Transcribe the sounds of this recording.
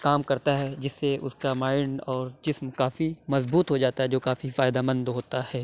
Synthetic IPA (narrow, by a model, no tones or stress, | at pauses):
kaːmkɐɾt̪aɦɛd͡ʒɪsːeʊ̰skamaːɪnɔːɾd͡ʒɪsmkaːfimɐzbuːt̪ɦod͡ʒaːt̪aɦɛd͡ʒoːkaːfifaːɪd̪amə̃nd̪ɦoːt̪ahɛː